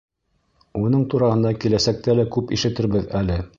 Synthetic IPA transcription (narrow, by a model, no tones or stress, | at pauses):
unɤɴt̪uɾɑhɤ̆nd̪ɑkilæsæk̚t̪ælækʉpiʃɘ̆t̪ɘ̆ɾbɘðælɘ